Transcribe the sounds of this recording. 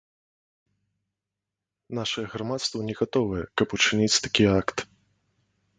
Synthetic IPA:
naʂɐjɛɣɾamat̪st̪vɐnʲɛɣat̪ɔvɐjɛkɐput͡ʂɨnʲit͡sʲt̪ḁkʲiakt̪

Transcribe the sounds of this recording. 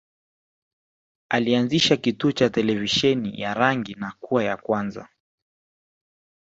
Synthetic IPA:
alianziʃakituɔt͡ʃatɛlɛviʃɛnḭjaɾaŋɡinakuwajakwanza̰

